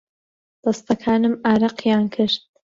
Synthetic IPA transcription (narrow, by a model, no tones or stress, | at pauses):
d̪̥ɐst̪ɐkʰaːnɨmaːɾɑqjaːnkʰɨɾt̪̚